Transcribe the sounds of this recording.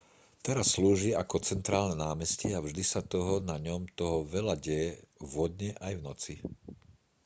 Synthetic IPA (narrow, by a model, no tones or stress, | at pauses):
t̪ɛɾasːluːʒiakɔt͡sɛnt̪ɾaːlnɛnaːmɛsciavʒd̪isat̪ɔɦɔnaɲɔmt̪ɔɦɔʋɛʎaɟɛjɛvɔd̪ɲɛʔajvnɔt͡si